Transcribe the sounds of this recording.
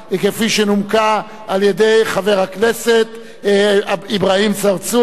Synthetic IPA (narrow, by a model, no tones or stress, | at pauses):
kefiʃenumka | aljedejχave̞ʁhaknese̞t̪ | aibʁaimt͡saʁt͡su